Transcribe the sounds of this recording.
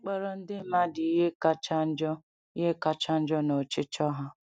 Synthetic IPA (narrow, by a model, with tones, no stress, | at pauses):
k͡pɔ˦ɾɔ˨n̩˦dɪ˦ma˦dɪ˨i˦ɦe˦ka˦t͡ʃa˦d͡ʒɔ˦ | i˦ɦe˦ka˦t͡ʃa˦n̩˦d͡ʒɔ˦no˨t͡ʃɪ˦t͡ʃɔ˦ɦa˦